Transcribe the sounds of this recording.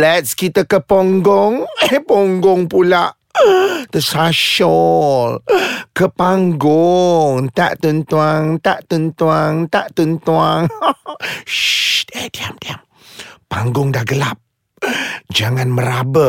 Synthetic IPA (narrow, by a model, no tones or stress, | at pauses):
lɛt̪skit̪əkəpoŋɡɔŋpɔŋɡɔŋpulaʔ | t̪əsaʃɔlkəpaŋɡʊŋt̪a̰ʔt̪unt̪uaŋt̪aʔt̪unt̪uaŋt̪aʔt̪unt̪uaŋ | d̪ed̪iamt̪iam | paŋɡʊŋdahɡəlap̚ | d͡ʒaŋanməɾabə